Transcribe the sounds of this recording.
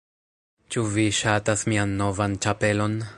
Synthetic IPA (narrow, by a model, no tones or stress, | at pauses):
t͡ʃuviʃatasmianːovant͡ʃape̞lo̞n